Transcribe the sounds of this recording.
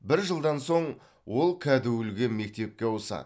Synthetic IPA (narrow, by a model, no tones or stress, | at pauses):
bɪɾʒəlˠd̪ɑnso̞ɴ | wo̞lˠkʲʰæd̪ɪwʏlɡʲeme̞k̚t̪e̞p̚kʲe̞wosɑ̰d̪